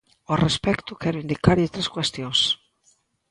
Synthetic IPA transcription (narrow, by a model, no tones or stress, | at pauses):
orespɛkt̪ʊkɛɾʊind̪ikaɾet̪ɾeskwest̪joŋs